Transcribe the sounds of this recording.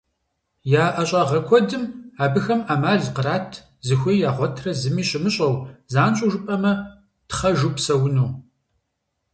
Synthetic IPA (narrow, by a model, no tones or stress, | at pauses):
jaːʔɐɕʼɑʁɐkʷʰɔdɨmaːbɨxɐmaːmaːɮqəraːtʰ | zɨxʷijjaːʁʷɔtʰrɐzɨmiːɕɪmɨɕʼɐwzaːnɕʼuʒʷʊpʼɐmɐ | tχɐʒupsɐwʊnuː